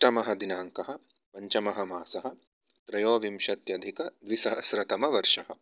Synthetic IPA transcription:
ʈɐmɐɦɐd̪inaːŋkɐɦɐ̆ | pɐɲt͡ʃɐmɐɦɐmaːsɐɦɐ̆ | t̪ɾɐjoːʋimʃɐt̪jɐd̪ʱikɐd̪ʋisɐɐsɾɐt̪ɐmɐʋɐɾʂɐɦɐ̆

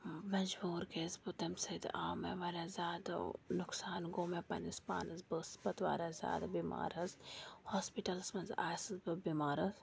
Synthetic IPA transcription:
mɐd͡ʒbuːɾkeːzbut̪ɐmsɐt̪ʔaːmḛʋɐɾazʲaːd̪̰nʊksaːnɡoːmepɐ̰nispa̰ːnɐzbəsbɐt̪ʋa̰ːɾazʲa̰ːd̪abima̰ːɾɐzhoːspiʈɐlsmɐnza̰ːsizbɨbimaːɾɐz

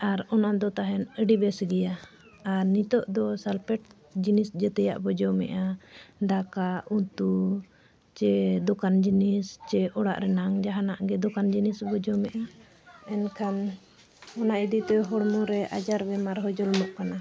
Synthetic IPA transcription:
aɾɔnaʔd̪ɔt̪aɦɛnəɖibɛsɡɛjaː | ɾnit̪ɔʔd̪ɔsalpɛʈ̚ | d͡ʒinisd͡ʒət̪ɛjaʔbɔd͡ʒɔmɛ̰ʔaɖakaʔut̪u | t͡ʃɛd̪ɔkand͡ʒinist͡ʃɛɔɽa̰ʔɾɛnaŋd͡ʒaɦanaʔɡɛd̪ɔkand͡ʒinisbɔd͡ʒɔmɛʔa | ɛnkʰan | ɔnaʔid̪it̪ɛɦɔɽmuɾɛʔa̰d͡ʒaɾbɛmaɾɦɔd͡ʒɔlmɔʔkana

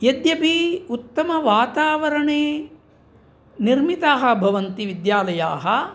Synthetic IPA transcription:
jɐd̪jɐpiut̪ːɐmɐʋaːt̪aːʋɐɾɐɳeː | niɾmit̪aːɦɐ̆bʱɐʋɐnt̪iʋid̪jaːlɐjaːɦɐ̆

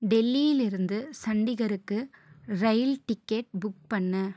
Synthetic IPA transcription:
ɖɛlːijɪlɪɾɯnd̪ɯsɐɳɖɪɣɐɾɯkːɯɾɐjlʈɪkːeːʈ̚bʊk̚pɐɳːɯ

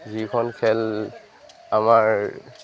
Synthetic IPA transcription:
zikʰɔnkʰɛl | amaɹ

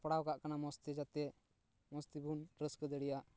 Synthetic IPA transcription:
paɽawkaʔkanamɔst̪id͡ʒat̪ɛ | mɔst̪ibunɾəskəd̪əɽɛjaʔ

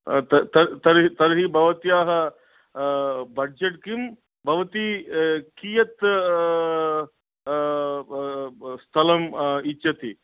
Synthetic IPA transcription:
t̪ɐt̪əɾt̪ɐɾit̪ɐɾɦibʱɐʋt̪ijaɦɐ | bɐɖd͡ʑeʈkim | bʱɐʋt̪ikijɐt̪ | st̪ʰɐlɐmitːɕɐt̪i

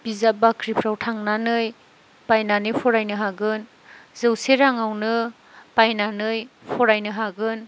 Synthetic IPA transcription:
b̥izabakʰɾipʰɾawtʰaŋnanɯj | pajnanɯjpʰɔɾajnɯɦaɡɯn | zɯwseɾaŋawnɯ | pajnanɯjpʰɔɾajnɯɦaɡɯn

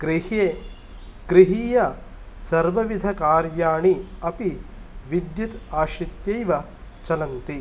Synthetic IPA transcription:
kɾihe | kɾiɦiːjɐ | sɐɾʋɐʋid̪ʱɐkaːɾʋjaːɳiɐpiʋid̪jɐt̪aːʃɾit̪jɐjʋɐ | t͡ʃɐlɐnt̪i

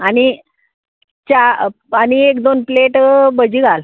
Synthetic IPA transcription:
aɽ̃ñi | t͡ɕa | aɽ̃iekd̪onpleʈbəd͡ʑiːɡʱal

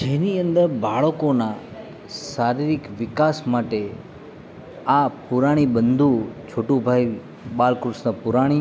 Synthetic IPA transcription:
d͡ʒeniənd̪əɾbaɭokona | saɾiɾɪkʋɪkasmaʈe | apuɾaɽ̃iɓənd̪ʱut͡ʃʰoːʈũbʱai | ɓalkɾusnapuɾaɽ̃i

